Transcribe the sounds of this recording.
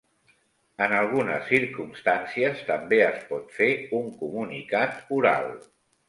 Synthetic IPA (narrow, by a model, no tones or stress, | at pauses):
ənalˠɣ̞unə̰sːiɾkumst̪ansiəst̪əmbeəspɔt̪feuŋkumunikat̪uɾa̰lˠ